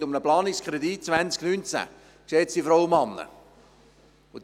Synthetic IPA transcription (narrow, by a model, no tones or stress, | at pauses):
t̪ʊmnəplɑːnɪkskχɾɛd̪it̚t͡svænt͡sknynt͡sæ̰ | kʃɛːsd̥̪ifɾɔwmɑnːə̰ | ʊd̪